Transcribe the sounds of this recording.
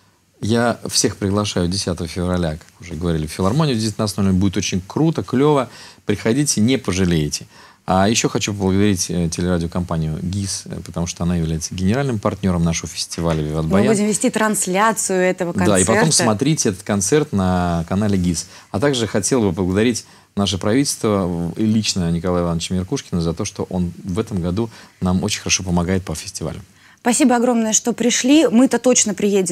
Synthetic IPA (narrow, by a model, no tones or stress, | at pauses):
jafsʲe̞xpɾʲɪɡlˠɐʂajʊdʲɪsʲat̪əvəfʲɪvɾɐlʲakḁkʊʐɛɡəvɐɾʲilʲɪffʲɪlˠɐrmo̞nʲɪjʊzʲdʲesʲnɐsnovʲlʲɪbudʲɪt̪ot͡ɕɪnʲkɾut̪əklʲovəpɾʲɪxɐdʲitʲɪnʲɪpəʐɨlʲejɪtʲɪ̥ | ajɪɕːo̞xɐt͡ɕup̬əblˠəɡəd̪ɐɾʲitʲətʲɪlʲɪɾadʲɪokɐmpanʲɪjʊ̰ɡʲispə̥t̪ɐmuʂt̪oɐnajɪvlʲæjɪt̪səɡʲɪnʲɪɾalʲnɨmpɐrtʲnʲo̞ɾəmnaʂəvəfʲɪ̥sʲtʲɪvalʲəvʲɪvad̪bmbɐjjbudʲɪmvʲɪsʲtʲit̪ɾɐnslʲat̪sɨjʊɛt̪əvədkɐnaispɐtɛo̞msmɐt̪ɾʲitʲɛt̪ə̥t̪̚kɐnt̪sɛrt̪nəkɐnalʲɪɡʲis | ɐt̪aɡʐɨxɐtʲe̞lˠəbɨplˠəɡəd̪ɐɾʲitʲ | naʂ̬əpɾɐvʲitʲɪlʲst̪vəilʲit͡ɕnənʲɪkɐlˠajɪlˠanːət͡ɕɪmʲɪrkuʂkʲɪnəzɐt̪oʂt̪oʔo̞nvɛt̪əmɡɐd̪unamot͡ɕɪnʲxəɾɐʂo̞p̬əmɐɡajɪt̪̚pəfʲɪ̥sʲtʲɪva̰lʲʊm | spɐsʲibəɐɡɾo̞mnəjəʂt̪o̞pɾʲɪʂlʲimɨt̪at̪o̞t͡ɕnəpɾʲɪjedʲɪm